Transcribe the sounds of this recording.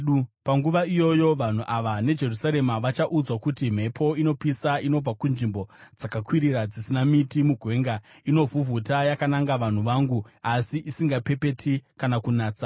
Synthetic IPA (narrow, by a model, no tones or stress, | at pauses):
upaŋɡuʋaijo̞jo̞ʋan̤uʔaʋane̞d͡ʒe̞rusaɾe̞maʋat͡ʃaʔud͡zwakutim̤e̞pʰo̞ino̞pisaino̞b͡vakunʐimbo̞d͡zakakwiɾirad͡zisinamitimuɡʱwe̞ːŋɡa | ino̞vuvʱutajakanaŋɡaʋan̤uʋaŋɡu | asiʔisiŋɡape̞pe̞tʰikanakunaːt͡sa